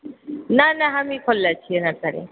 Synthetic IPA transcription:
nanaɦamikʰɔlːat͡ʃʰiɛnataɾḛ

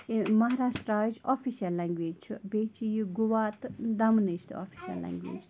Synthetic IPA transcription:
mɐɦaɾaːʃʈɾaːd͡ʒofiʃjɐlːɛŋɡʋeːd͡ʒt͡ʃʰubeːt͡ʃʰijiɡuʋaːt̪d̪ɐmniʃt̪ʰo̰ːfi̥ʃɐ̰lːɛ̰̃ŋɡʋḛːd͡ʒ

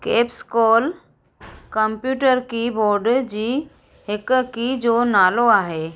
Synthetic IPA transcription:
keːpskɔːl | kəmpjuːʈəɾkiboːɾɖd͡ʒiː | ɦɪkkid͡ʒoːnaːloaːɦeː

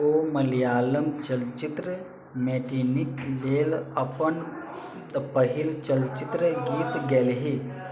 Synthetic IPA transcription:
oməlijaːləmt͡ʃəlt͡ʃit̪ɾə | meːʈiːnikleːlɐpən | pəɦilt͡ʃəlt͡ʃit̪ɾəɡiːt̪ɡeːlɦi

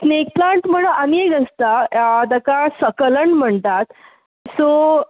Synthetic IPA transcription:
snek̚plaɳʈm̤əɽəaniekəst̪aad̪akasəkələɳm̤əɳt̪at̪ | so

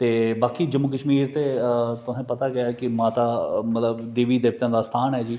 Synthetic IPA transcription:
t̪eːbaːkiːd͡ʒəmːʊk̬əʃmiːɾt̪eːt̪ʊsẽːpət̪aːɡɪjaːkɪmaːt̪aːmət̪ləbd̪eːʋiːd̪eːp̚t̪jãːd̪aːst̪ʰaːnɦɛːd͡ʒiː

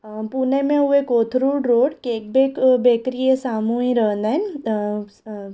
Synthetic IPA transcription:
punemẽuekoːt̪ʰɾuːɽɾoːɽkeːk̚bekbekɾijesaːmũĩɾəɦnd̪an

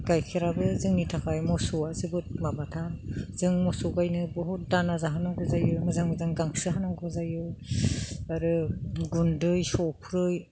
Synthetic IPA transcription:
ɡ̥ajkʰiɾabɯzɯŋnitʰakʰajmɔsuazɯbɯt̚mabatʰanzɯŋmɔsuɡajnɯbɔɦut̚danazaɦanaŋɡɯzajɯmɯzaŋbɯzaŋɡaŋsɯɦanaŋɡɯzajɯ | aɾɯɡundɯjsɔwpʰɾɯj

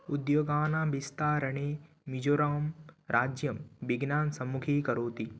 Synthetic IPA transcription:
ud̪joːɡaːnãːbist̪aːɾɐɳ̃e | mid͡ʒoːɾaːmɾʔaːd͡ʒjɐmʋiɡnaːnsɐmukʰikɐɾoːt̪i

